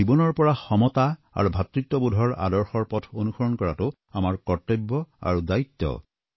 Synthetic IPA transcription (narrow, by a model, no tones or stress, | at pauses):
ibɔnɔɹpɔɹaxɔmɔtaa̰ɹubʱat̪ɹitːɔbudʱɔɹa̰dɔɹxɔɹpɔtʰonuxɔɹɔnkɔɹatʊ | amaɹkɔtːebːɔa̰ɹudait̪ːɔ̰